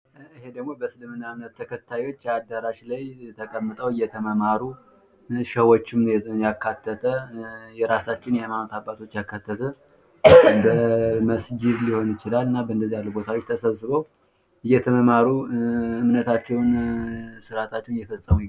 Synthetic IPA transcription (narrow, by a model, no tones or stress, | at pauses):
ɨhe̞d̪əɡmo̞bəsɨlɨmːɨnːaɨmnət̪ʰːəkʰət̪ʰːajwot͡ʃːad̪aɾaʃlajt̪ʰəkʼəmːɨt̪ʼəwɨjːɛt̪ʰəməmaɾu | ʃəwot͡ʃːɪmjakːat̪ːət̪ʰəjɛɾasat͡ʃːɪwnjɛmanot̪ʰabːat̪ʰo̞t͡ʃːjakːat̪ːət̪ʰə | bəməsd͡ʒid̪liho̞nɨt͡ʃɪlalːɨnːabəɨnd̪əzːijalːubo̞t̪ʰawot͡ʃːt̪ʰəsəβsɨβəw | ɨjːɛt̪ʰəməmaɾuɨmnət̪ʰat͡ʃːɛwnsɨɾat̪ʰat͡ʃːɛwnjɛfəsʼəmu